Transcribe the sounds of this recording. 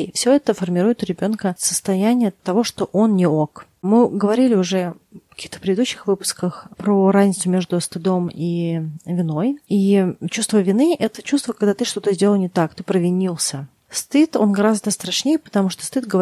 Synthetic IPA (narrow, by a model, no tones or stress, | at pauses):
fsʲoɛt̪əfərmʲɪɾujɪt̪ɾʲɪbʲo̞nkəsəst̪ɐjænʲɪjət̪ɐvo̞ʂt̪oʔonnʲɪokmɨɡəvɐɾʲilʲɪʊʐɛ | kɐ̥kʲixt̪ə̥pʲɾʲɪd̪ɪd̪uɕːɪ̥xvɨpʊ̥skəxpɾorazʲnʲɪt̪sʊmʲeʐd̪ʊst̪ɨd̪omivʲɪno̞jit͡ɕust̪vəvʲɪnɨʔɛt̪ət͡ɕust̪vəkaɡd̪at̪ɨʂt̪o̞t̪əzʲdʲeləlˠnʲɪt̪akt̪ɨpɾəvʲɪnʲilˠsʲə | st̪ɨt̪o̞nɡɐɾazd̪əst̪ɾɐʂnʲejəpə̥t̪ɐmuʂt̪o̥st̪ɨt̪̚ɡəv